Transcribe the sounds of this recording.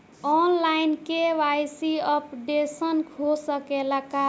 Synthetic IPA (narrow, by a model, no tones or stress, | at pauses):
ɔnlainkeʋajsiəpɖesənkʰosəkelaka